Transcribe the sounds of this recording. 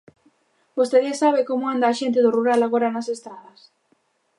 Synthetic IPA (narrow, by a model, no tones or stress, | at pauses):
bost̪eðiesaβɪkomʊand̪aːʃent̪ɪðʊruɾalaɣoɾanasest̪ɾaðɐs